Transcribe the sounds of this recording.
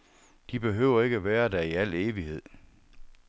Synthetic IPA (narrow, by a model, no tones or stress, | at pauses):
d̥ib̥e̝ɦøʊ̰ɐe̝ɡ̥əʋæːɐdæɐiæl̰eːʋihe̝ð̞̰ˠ